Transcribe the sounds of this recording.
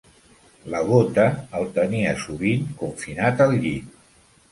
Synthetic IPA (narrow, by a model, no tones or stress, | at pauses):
ləɣ̞ot̪əːlˠt̪əniəsuβiŋkuɱfinat̪əlʎi